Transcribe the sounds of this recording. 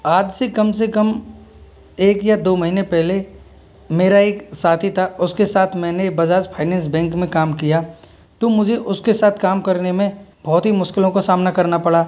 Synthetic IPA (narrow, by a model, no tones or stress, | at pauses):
aːd͡ʒsekɐms̬ekɐm | eːkjad̪oːmɐɦinẽpɛɦle | meːɾaeːksaːt̪ʰit̪ʰaʊskesaːt̪ʰmɛ̃ːnebɐd͡ʒaːd͡ʒpʰaːɪnɛ̃ːns̬bɛ̃ːŋkmẽkaːmkija | t̪omʊd͡ʒʱeʔʊskesaːt̪ʰkaːmkɐɾnemẽbɔːt̪ɦimʊʃkɪlõkosaːmnakɐɾnapɐɽaː